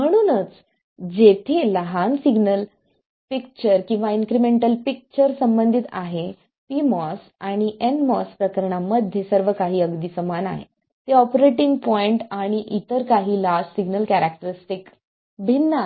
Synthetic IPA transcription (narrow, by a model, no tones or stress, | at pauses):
m̤əɽ̃uːnət͡s | d͡ʑet̪ʰeləɦansiɡnəl | pik̚t͡ɕəɾkĩw̃ʋaiŋkɾimeɳʈəlpik̚t͡ɕəɾsəmbənd̪ʱit̪a̰ɦe | pimɔs | aɽ̃iʔenmɔspɾəkəɾɳ̃aməd̪ʱjesəɾʋəkaɦiːəɡd̪iːsəmana̰ɦḛ | t̪eɔpɾeʈiŋɡ̚pɔiɳʈaɽ̃iʔit̪əɾkaɦiːlassiɡnəlkæɾak̚ʈəɾisʈik | bʱinːa